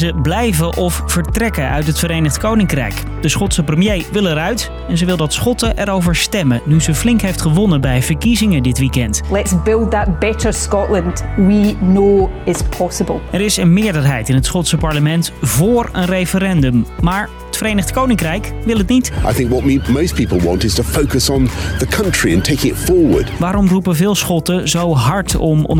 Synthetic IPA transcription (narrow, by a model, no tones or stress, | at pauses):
zəblɛjvəʔɔffəɹtrɛkəʔœ̰ɥtɦətfəɾejnəχtkownɪŋkrɛ̰jk | d̥əsχɔtsəprəmjejʋɪlˠɛɾœɥt | ɛnzəʋɪlˠdɑtsχɔtəʔɛɾowvəɹstɛmənyzəflɪŋkɦejftχəʋɔnəbɛjvəɹkizɪŋədɪtʋikɛntlˠɛtsb̥ɪlˠd̪̚ðəʔ̚b̥ɛʔə˞skɔʔlˠə̃ndwinoːɪspʰɔsəbəlˠɛɾɪsənmɪːɹdəɹɦɛjtɪnɦətsχɔtsəpɑɹləmɛntvʊːɹə̰nrejfəɾɛndəmːaːɹ | ətfəɾejnəχtkownɪŋkrɛjkʋɪlˠətnitʔa̰ɪθɪ̃ŋkwʌt̚mimoʊspʰipl̩ˠwɑ̰̃ntɨz̥tʰəfoʊkəsn̩ðəkʰʌ̃nt͡ʃɹ̥iɨ̃ntʰeɪkɪ̃ŋɪtfɔɹwə̰˞d̥ʋaːɾɔmrupəvɪːlˠsχɔtəzowɦɑɹtɔmɔ̰